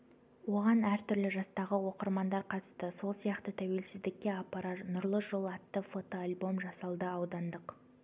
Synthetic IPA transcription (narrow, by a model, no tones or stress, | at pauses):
wo̞ʁɑnæɾt̪ʰʏɾlɪʒɑst̪ɑʁəwo̞qəɾmɑnd̪ɑɾqʰɑt̪st̪əso̞lˠsijɑqt̪ət̪ʰæwe̞lsɪzd̪ɪkʲːeapːɑɾɑt̪nʊɾlˠəʒolˠɑt̪ːəfo̞t̪oalʲbo̞mʒɑsɑlˠd̪əɑwd̪ɑnd̪əq